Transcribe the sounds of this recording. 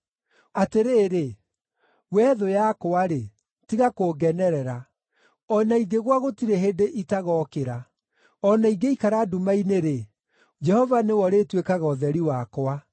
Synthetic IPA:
ateɾeːɾe | wɛðojakoaɾe | tiɣakoɡɛnɛɾɛɾa | ɔnaiɡeɣwaɣotiɾeɦedeʔitaɣɔkeɾa | ɔnaiɡeikaɾaːdumaineɾe | d͡ʒɛhɔvanewɔɾetwekaɣɔðɛɾiwakoa

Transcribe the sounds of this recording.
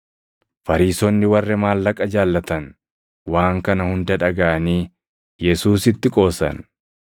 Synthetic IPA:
fɐɾiːsɔnːɪwɐrːɛmaːlːɐkʼɐd͡ʒaːlːɐt̪ɐn | waːŋkɐnɐhʊnd̪ɐᶑɐɡɐʔɐniː | jɛsuːsɪt̪ːɪkʼo̞ːsɐ̰n

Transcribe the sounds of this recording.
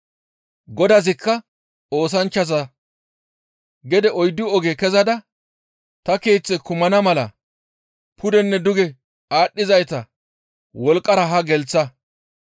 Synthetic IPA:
ɡɔd̪ɐzɪkːɐ | o̞ːs̬ɐnt͡ʃːɐzɐ | ɡɛd̪ɛʔɔjd̪ːʊɔɡekɛzɐd̪ɐ | t̪ɐke̞ːt͡sːɛkʊmɐnɐmɐlɐ̰ | pʰʊd̪ɛnːɛd̪ʊɡɛ | aːɗːɪzɐjt̪ɐ | wɔlkʼːɐɾɐɦɐɡɛlt͡sːɐ

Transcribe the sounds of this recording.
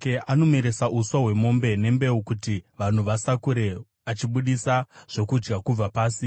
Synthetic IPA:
eʔano̞meɾe̞saʔuswaɦwe̞mo̞mbe̞ne̞mbe̞ukutiʋan̤uʋasakuɾe̞ | at͡ʃiɓuɗisaʐ̥o̞kud͡ʒɡakub͡vapaːsi

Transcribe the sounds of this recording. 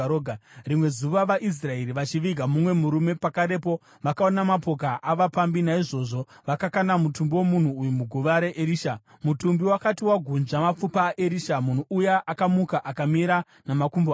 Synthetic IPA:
orimwe̞zuʋaʋaʔis̬rae̞ɾiʋat͡ʃiʋiɡʱamumwe̞muɾume̞pakaɾe̞po̞ | ʋakaonamapo̞k̬aʔaʋapambinaiʐo̞ʐo̞ | ʋakakanamutumbiwomun̤uːjumuɡʱuʋaɾeʔeɾiːʃa | mutumbiwakatiwaɡʱunʐamap͡fupaʔeɾiʃamun̤uːjaʔakamukaʔakamiɾa | namakumb

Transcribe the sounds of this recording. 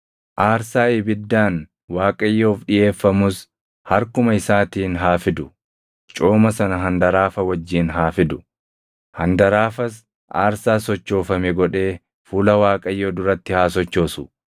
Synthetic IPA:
ʔaːɾsaːɪbɪd̪ːaːn | waːkʼɐjːo̞ːfɗɪje̞ːfːɐmʊs | hɐɾkʊmɐɪsaːt̪iːnɦaːfɪd̪ʊ | t͡ʃʼoːmɐsɐnɐɦɐnd̪ɐɾaːfɐwɐd͡ʒːiːnɦaːfɪd̪ʊ | hɐnd̪ɐɾaːfɐs | ʔaːɾsaːsɔt͡ʃːo̞ːfɐmɛɡɔᶑe̞ː | fuːlɐwaːkʼɐjːoːd̪ʊɾɐt̪ːɪhaːs̬ɔt͡ʃːo̞ːsʊ̥

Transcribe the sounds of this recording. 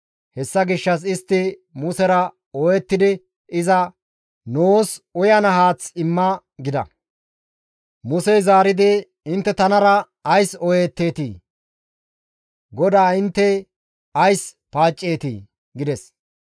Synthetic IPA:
hɛsːɐɡɪʃːɐs̬ɪst̪ːɪmʊsɛɾɐ | ɔjɛt̪ːɪd̪ɪ | ɪzɐ | noːsʊjɐnɐɦaːt͡sɪmːɐ | ɡɪd̪ɐ̰ | mʊsɛjzaːɾɪd̪ɪ | ɪnt̪ːɛt̪ɐnɐɾɐ | ɐjsɔjeːt̪ːe̞ːt̪ḭː | ɡɔd̪aːɪnt̪ːɛ | ɐjspaːt͡ʃʼːe̞ːt̪ḭː | ɡɪd̪ɛs

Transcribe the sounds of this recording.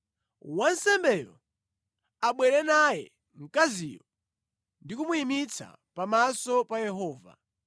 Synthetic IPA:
wansɛmbɛjɔ̰ | aɓwɛɾɛnajɛ̰ | ŋ̩kazijɔ | ndikumuimit͡sʰa̰ | pamasɔpajɛɦɔːva̰

